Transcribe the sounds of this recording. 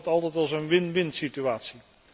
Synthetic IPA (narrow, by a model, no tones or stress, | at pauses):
tɑlˠtɛjtɑlˠsənʋɪnʋɪntsityʋaːtsi